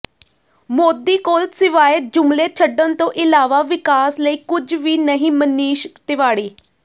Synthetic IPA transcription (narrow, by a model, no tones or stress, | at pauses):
moːd̪iːkoːlt̪sɪʋaːjət̪̚d͡ʒʊmleːt͡ʃʰəɖənt̪õːʔɪlaːʋaːʋɪkaːsləiːkʊd͡ʒʋiːnəɦĩːməniːʃt̪ɪʋaːɽiː